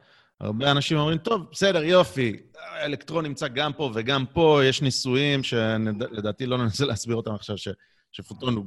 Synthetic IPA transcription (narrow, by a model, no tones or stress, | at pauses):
a̰ʁbeanaʃimo̞mʁimt̪o̞vbese̞de̞ʁjo̞fielekt̪ʁo̞nːimt͡saɡampo̞ve̞ɡampo̞je̞ʃnisujimʃe̞le̞d̪aːt̪ilo̞nenaseleasbiʁo̞tamaχʃavʃe̞ | ʃefut̪onu